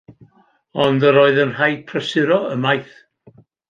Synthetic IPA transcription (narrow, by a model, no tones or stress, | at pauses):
ɔndəɾoːɨðənr̥ajd̚pʰrəsɨɾɔəmajθ